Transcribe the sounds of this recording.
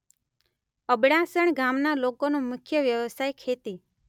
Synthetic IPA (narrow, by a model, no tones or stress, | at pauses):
əbɽasəɳɡamnalokonũmʊkʰjəʋjəʋəsajkʰet̪i